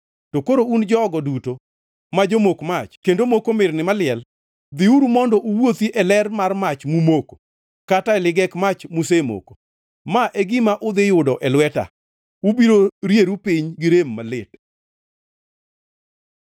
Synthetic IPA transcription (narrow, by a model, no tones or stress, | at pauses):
tokoɾound͡ʒɔɔɡɔduto | mad͡ʒomokmat͡ʃkendomokomɪrnɪmalɪɛl | d̪ɪuɾumɔndɔʔuwot̪iʔɛlɛrmarmat͡ʃmumoko̥ | kataɛlɪɡɛkmat͡ʃmusemo̰ko̥ | maʔeɡɪmaʔʊd̪ɪjʊdɔʔɛlwɛta̰ | ubiɾoɾjeɾupiɲɡɪɾemːalɪt